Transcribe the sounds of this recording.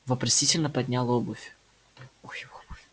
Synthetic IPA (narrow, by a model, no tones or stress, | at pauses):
vɐpɾɐsʲitʲɪlʲnəpɐdʲnʲalˠobʊfʲ | oxbʊfʲ